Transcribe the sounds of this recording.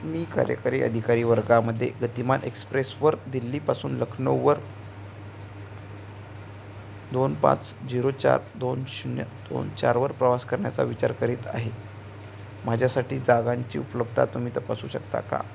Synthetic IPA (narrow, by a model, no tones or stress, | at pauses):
miːka̰ɾjə̰kaɾiːʔə̰d̪ʱikaɾiːʋəɾɡaməd̪ʱːjeɡət̪imanʔekspɾesʋəɾd̪ilːiːpasuːnləkʰɳəʋəɾ | d̪onpã̰t͡sd͡ʑiɾot͡ɕa̰ɾd̪onɕnəd̪̥o̰nt͡ɕaɾʋəɾpɾəʋaskəɾɳjat͡sa̰ʋit͡ɕaɾkəɾiːt̪a̰ɦe | m̤ad͡ʑʱjasaʈiːd͡zaɡaɲt͡ɕḭːupələb̚t̪ʰa̰t̪um̤iːt̪əpasuːɕəkt̪a̰ka̰